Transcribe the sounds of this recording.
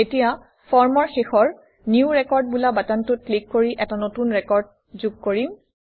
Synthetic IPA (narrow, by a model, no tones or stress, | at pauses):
etija | pʰɔɹmɔɹxexɔɹ | niuɹɛkɔɹd̚bulabatantʊt̚klikːoɹiʔɛtanotunɹɛkɔɹd̚ | zuɡ̚koɹim